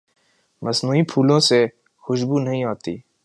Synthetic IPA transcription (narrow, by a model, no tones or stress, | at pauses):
mɐsnuːipʰuːlõse | xʊʃbuːnɐɦĩaːt̪ḭː